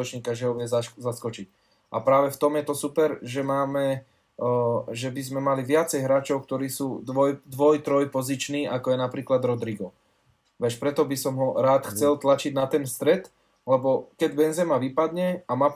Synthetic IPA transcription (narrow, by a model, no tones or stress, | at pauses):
ɔt͡ʃɲiːkaʒɛɦɔʋɪɛzzaskɔt͡ʃic | ʔapɾaːʋɛft̪ɔmjɛt̪ɔsupɛɾʒɛmaːmɛ | ʒɛbizmɛmaliʋɪat͡sɛjɦɾaːt͡ʃɔʊk̚t̪ɔɾiːsuːd̪ʋɔjd̪ʋɔjt̪ɾɔjpɔzit͡ʃniːʔakɔjɛnapɾiːklad̪ɾɔd̪ɾiɡɔ | ʋɛʃpɾɛt̪ɔbisɔmɦɔɾaːt̪xt͡sɛlt̪lat͡ʃiɟnat̪ɛnfst̪ɾɛt̪ | lɛbɔkɛɟbɛnzɛmaʋipad̪ɲɛamaː